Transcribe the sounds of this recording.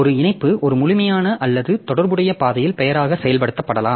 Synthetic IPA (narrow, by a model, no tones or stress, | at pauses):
ɔɾɯɪnɐɪpːɯʔɔɾɯmʊlɪmɐjaːnɐʔɐlːɐðɯt̪ɔɽɐɾbɯɽɐjɐpaːðɐjɪlpɛjɐɾaːɣɐsɛjɐlpɐɽɯt̪ːɐpːɐɽɐlaːm